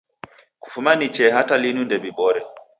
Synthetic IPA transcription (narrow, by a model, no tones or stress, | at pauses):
ku̥fumanit͡ʃɛɦatalinundɛɓiɓɔɾɛ